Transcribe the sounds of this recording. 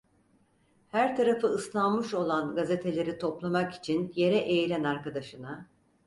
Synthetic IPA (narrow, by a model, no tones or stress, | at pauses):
hæɾt̪ʰaɾafɯɯslˠanmɯʃo̞lˠanɡaze̞t̪ʰe̞lʲe̞ɾit̪ʰo̞plˠamaki̥t͡ʃʰinje̞ɾɛʔejlʲænaɾkad̪aʃɯna